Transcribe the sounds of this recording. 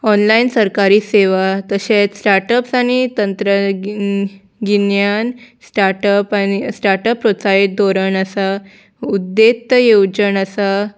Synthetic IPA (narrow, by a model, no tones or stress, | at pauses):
ɔnlainsəɾkaɾiːseʋat̪əɕet͡ssʈaɾʈəpsañit̪ənt̪ɾə | ɡinjansʈaɾʈəpanisʈaɾʈəpːɾosait̪̚d̪ʱoɾəɳəsa | ud̪ːet̪ːjewd͡ʑənəsa